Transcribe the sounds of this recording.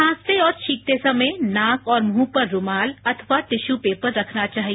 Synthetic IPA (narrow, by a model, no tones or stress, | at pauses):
ãːst̪eɔːɾt͡ʃʰiːk̚t̪esɐmẽnãːkɔːɾmɦũːpəɾːʊmaːlɐt̪ʰəʋat̪ɪʃupeːpəɾːɐkʰnat͡ʃaːɦie